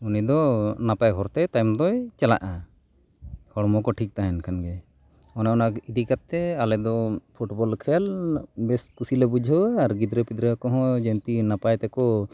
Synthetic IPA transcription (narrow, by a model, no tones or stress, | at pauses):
unid̪ɔnapajɦɔɾt̪ɛt̪ajmd̪ɔjt͡ʃala̰ʔa | hɔɽmɔkɔʈʰik̚t̪aɦɛnkʰanɡɛ | ɔnaɔnaid̪ikat̪ːɛalɛd̪ɔpʰuʈbɔlkʰɛjalbɛskusilɛbud͡ʒʱɔaɾɡid̪ɾɛpid̪ɾɛkɔɦɔ̃d͡ʒɛnt̪inapajt̪ɛkɔ